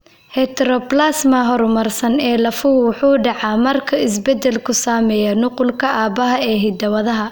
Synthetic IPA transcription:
hɛt̪ɾɔplasmɐɦɔrmɐrsɐnɛːlɐfuwʊħuːɖɑʕɑmɐrkʰɐɪs̬bɛd̪ɛlkʰʊsaːmɛːjɐnʊqʊlkʰɐʔaːbɐɦɐɛːɦɪd̪ɐwɐðɐɦɐ

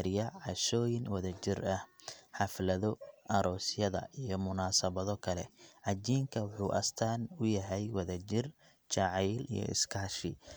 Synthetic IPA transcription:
ɾɪjɐʕɑʃɔːjɪnwɐðɐt͡ʃɪrɐhħɑflɐðɔʔɐɾɔːsjɐðɐ̰ʔijɞmʊnaːsɐβɐðɔkʰɐlɛʕɑd͡ʒiːŋkʰɐwʊħuːʔɐ̰st̪ʰaːnʊjɐɦɛjwɐðɐt͡ʃɪr | t͡ʃɑʕɛːlḭjɔ̰ʔɪ̰skʰɐːʃɪ

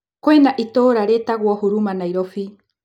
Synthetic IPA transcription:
kwɛnaʔitoɾaɾetaɣwɔhoɾumanaiɾɔfi

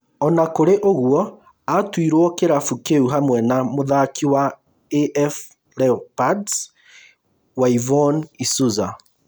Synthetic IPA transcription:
ɔnakoɾeʔoɣuɔ | atwiɾwɔkeɾafukeuɦamwɛnamoðakʰiwa | eʔɛf | lɛpad | waivɔnisuza

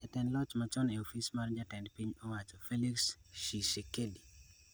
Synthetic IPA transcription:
ɛtɛnlɔt͡ʃmat͡ʃɔneofismard͡ʒatɛndpiɲowat͡ʃɔfeliksʃiʃekedi

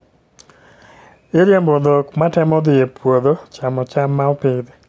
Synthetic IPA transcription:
ɪɾjembod̪okmatɛmɔd̪ɪjepwod̪ot͡ʃamɔt͡ʃamːaɔpɪd̪ɪ

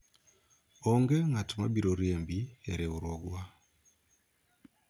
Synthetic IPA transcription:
oŋɡeŋatumabiɾoɾeːmbieɾeβuɾoɡwa

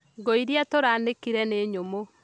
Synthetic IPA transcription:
ɡoiɾjatoɾaːnekiɾɛneːɲomo

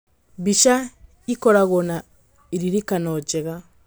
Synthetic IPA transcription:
βiʃa | ikoɾaɣona | iɾiɾikanod͡ʒeɣa

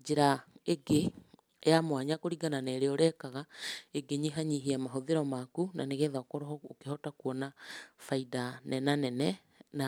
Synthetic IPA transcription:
d͡ʒeɾaeɡe | ejamwaɲakoɾiɡananeːɾeoɾɛkaɣaeɡeɲiɦaɲiɦiamaɦoðeɾɔmakuna̰neɣeðaokɔɾɔɔokeɦɔtakuɔnafaidanɛnanɛnɛ | na

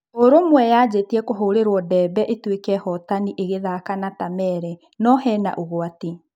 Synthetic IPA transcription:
oɾomwɛjad͡ʑetiɛkoɦoɾeɾwɔdɛːbɛʔetwekɛhɔtaniʔeɣeðakanatamɛːɾɛ | nɔɦɛna̰ʔoɣoati

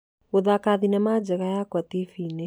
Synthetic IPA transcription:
oðakaðinamad͡ʒɛɣajakwat̪ifinɛ

